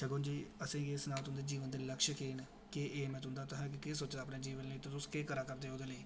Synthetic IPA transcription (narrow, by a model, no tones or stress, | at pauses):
ʃəɡoːnd͡ʒiːəsẽːeːsnaːʋt̪ʊ̃nd̪eːd͡ʒiːʋənd̪eləkʃəkeːn | keʔeːmɛ̃ːt̪ʊnd̪aːt̪ʊɦɛ̃ːk̬ɪkeːsoːt͡ʃd̪aːpneːd͡ʒiːʋənleːt̪ẽt̪ʊskeːkəɾaːkəɾd̪eːoːd̪eːləiː